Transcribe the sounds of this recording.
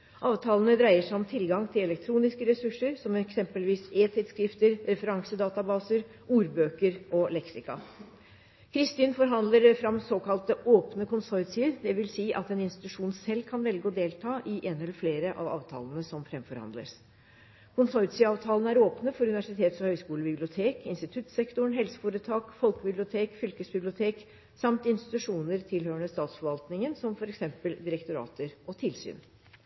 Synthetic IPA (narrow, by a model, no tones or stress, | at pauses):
ʔɑːʋt̪ʰɑːlənəd̪ɾæɪəʂæɪɔmt̪ʰɪlɡɑŋt̪ʰɪlɛlɛk̚t̪ʰɾuːnɪskəɾɛsʉʂːəɾsɔmɛksɛmpəlʋiːseːt̪ʰɪd̪skɾɪft̪əɾɾɛfəɾɑŋsəd̪ɑːt̪ɑbɑːsəɾ | ʔuːɾbøːkəɾɔlɛksɪkɑ̰ | kʰɾɪst̪iːnfɔɾɦɑnd̪ləɾfɾɑmsoːkɑlt̪əoːpnəkʰʊnsɔʏt̪sɪəd̪ɛʋɪlsiːʔɑt̪ɛnɪnst̪ɪ̥t̪ʉʂuːnsɛlːkʰɑnʋɛlɡəɔd̪eːlt̪ʰɑːʔɪʔeːnɛlːəɾfleːɾəʔɑ̰ʋɑ̰ːʋt̪ʰɑ̰ːlənəsɔmfɾɛmfɔɾhɑ̰nd̪lə̰s | kʰʊnsɔʏt̪sɪɑːʋt̪ʰɑːlənəæɾoːpnəfɔɾʉnɪʋæʂɪt̪ʰeːt̪sɔhœʏskuːləbɪblɪʊt̪ʰeːkɪnst̪ɪt̪ʰʉt̪sɛkt̪ʊɳɦɛlsə̥fuːɾət̪ʰɑːkfɔlkəbɪblɪʊt̪ʰeːkfʏlkəsbɪblɪʊt̪ʰeːk | sɑmt̪ɪnst̪ɪ̥t̪ʉʂuːnəɾt̪ʰɪlhøːəɳəst̪ɑːt̪sfɔɾʋɑlt̪nɪŋənsɔmfɔɾɛksɛmpəld̪ɪɾəkt̪ʊɾɑ̰ːt̪əɾʔɔt̪ʰɪlsy̰ːn